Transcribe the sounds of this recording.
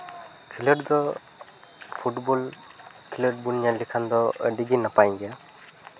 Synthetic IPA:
kʰiləʈd̪ɔ | pʰuʈbɔl | kʰiləʈ̚buljalikʰand̪ɔəɖiɡinapajɡɛa

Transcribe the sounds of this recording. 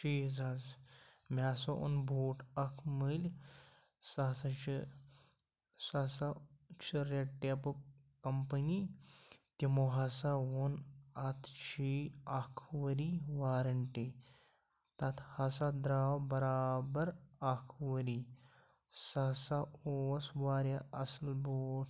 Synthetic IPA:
t͡ʃiːzaz | mʲaːsoʔṵnbʱoːʈʰɐkʰmɨlʲ | sasat͡ʃi | sasat͡ʃʰiɾeʈːepu | kɐmpəni | t̪imoɦɐsawonɐt̪ʰt͡ʃʰiɐkʰʋəɾiʋaːɾɐɳʈi | t̪ɐt̪ʰhɐsad̪ɾaːwbɐɾaːbɐɾɐkʰʋəɾi | sɐsaosʋaːɾjaʔɐslboːʈʰ

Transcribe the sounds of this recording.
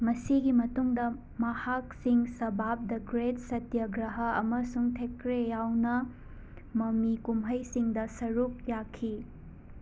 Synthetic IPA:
mɐsiɡimɐtuŋdɐ | mɐhak̚siŋsɐbap̚dɐɡɾet̚sɐtjɐɡɾɐɦɐɐ̰mɐsuŋtʰekɾejawnɐ | mɐmikumɦɐjsiŋdɐsɐɾuk̚jakʰi

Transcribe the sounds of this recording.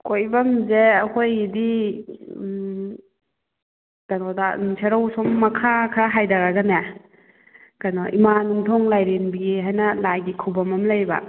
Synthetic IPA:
kʰojbɐmzeɐkʰojdi | d̥anɔdansʰeɾawsɔmːɐkʰakʰɾaɦajdaɾaɡana | kanɔʔimanuŋtʰɔŋlajɾenbiɡiɦajnɐlajɡikʰubɐmɐmlajba̰

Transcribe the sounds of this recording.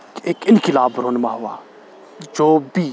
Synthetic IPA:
eːkɪnkɪlaːbɾoːnmãːɦʊaː | d͡ʒoːbiː

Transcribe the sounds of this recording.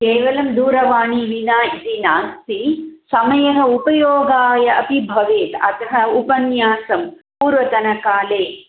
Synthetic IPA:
keːʋɐlɐmd̪uːɾɐʋaːɳiʋinaːit̪inaːnt̪isɐmɐjɐɦɐupɐjoːɡaːjɐʔɐpibʱɐʋeːt̪ɐt̪ɐɦɐupɐnjaːsɐmpuːɾʋɐt̪ɐnɐkaːleː

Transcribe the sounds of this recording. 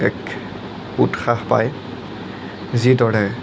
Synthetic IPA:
ɛk | utxahpa̰j | zidɔɹɛ

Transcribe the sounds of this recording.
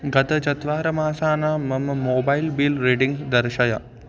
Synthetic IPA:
ɡɐt̪ɐd͡ʒɐt̪ʋaːɾɐmaːsaːnaːmɐmɐmoːbɐjlbiːlɾeɖiŋɡd̪ɐɾʃɐjɐ

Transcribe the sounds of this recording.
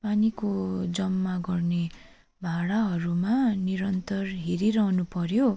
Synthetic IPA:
panikod͡zʌmːaɡʌrne | bʱaɽaɦʌɾumaniɾʌnt̪ʌrɦeɾiɾʌɦnupʌɾjo

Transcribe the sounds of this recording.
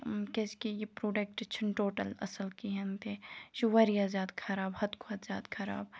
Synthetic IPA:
keskijipɾoːɖek̚ʈɪt͡ʃʰɐnʈoːʈɐlɐ̰sɐlkiɦɐnt̪ʰeʃuʋɐɾijaːzjaːd̪kʰɐɾaːbhɐt̪kʰoɐt̪zja̰ːd̪kʰɐɾa̰ːb

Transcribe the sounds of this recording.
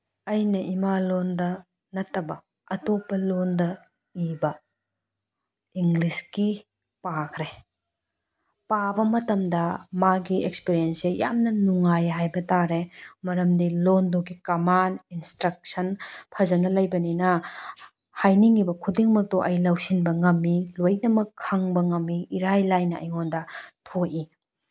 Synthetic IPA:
ɐjnɐʔimalondɐ | nɐtːɐbɐː | topːɐlondɐ | ibɐ | iŋɡliski | pakʰɾe | pabɐmɐtɐmdɐmaɡiekspiɾienseja̰mnɐnuŋajɦajbɐtaɾemɐɾɐmdilonduɡikɐmaninstɾɐk̚sɐnpʰɐzɐnɐlɐjbɐninɐ | hajniŋibɐkʰudiŋmɐk̚toʔɐjlɐwsinbɐŋɐmːiloj̚nɐmɐkʰːaŋbɐŋɐmːiːɾajlajnɐɐ̰jŋondɐtʰoʔi

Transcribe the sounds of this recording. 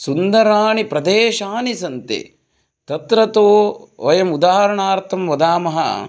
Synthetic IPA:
sund̪ɐɾaːɳipɾɐd̪eːʃaːnisɐnt̪ḛ | t̪ɐt̪ɾɐt̪oːʋɐjɐmud̪aːɦɐɾɐɳaːɾt̪ʰɐmʋɐd̪aːmɐɦɐ̰

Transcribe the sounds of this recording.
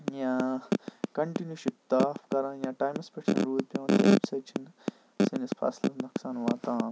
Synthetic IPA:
jãː | kɐɳʈinjuʃip̚t̪aːfkɐɾãːjãːʈaːjmɐspɐt͡ʃʰɐ̰nɾuːd̪̚pʲjõːt̪eːpsɐt͡ʃʰin | sinispʰa̰ːslɐ̰nɐksaːnʋaːt̪ãː

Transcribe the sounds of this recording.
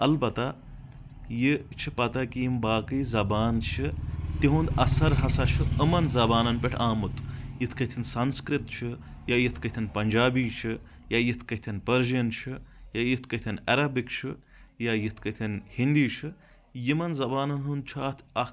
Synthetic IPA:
ɐlbɐt̪a | jit͡ʃʰipɐt̪ɐkiimbaːkɨzɐbaːnt͡ʃʰɨt̪iɦũnd̪ɐsɐɾɦɐsɐt͡ʃʰɨəmɐnzɐbaːnɐnpʲeʈʰaːmut̪ʰjit̪ʰkɐt̪ʰinsɐnskɾit̪t͡ʃʰɨjajit̪ʰkɐt̪ʰinpɐnʲd͡ʒaːbiːt͡ʃʰɨ | jajit̪ʰkɐt̪ʰɐnpɐɾʒiɐnt͡ʃʰɨjajit̪ʰkɐt̪ʰɐnɐɾɐbikt͡ʃʰɨ | jajit̪ʰkɐt̪ʰɐnhind̪iːt͡ʃʰɨ | jimɐnzɐbaːnɐnɦunt͡ʃʰaːt̪ʰɐ

